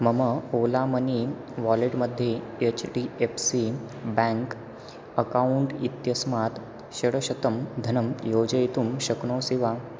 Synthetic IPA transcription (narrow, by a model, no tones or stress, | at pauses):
məməolaməni | ʋɔleʈməd̪ʱːjeet͡ɕɖiepsi | bãŋk | əkauɳʈit̪jəsmat̪ | ɕɐɽəɕɐt̪əmd̪ʱənəmjod͡ʑəjit̪uːmɕəkɳoːsiʋa